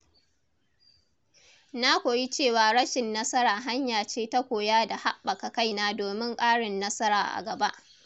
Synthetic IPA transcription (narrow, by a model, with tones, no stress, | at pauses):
na˦kʷoː˨ji˦t͡ʃeː˦˨waː˨ɽɐ˦ʃɪ˨nːɐ˦sɐ˦ɾaː˨ɦa˦ɲjaː˨t͡ʃeː˦ta˦kʷoː˨jaː˦da˨ha˦ɓːɐ˨ka˨ka˦jnaː˦doː˨mɪ˦ŋkʼaː˦ɽɪ˨nːɐ˦sɐ˦ɾa̰ː˨ʔa̰˨ɡɐ˨ba˦ʔ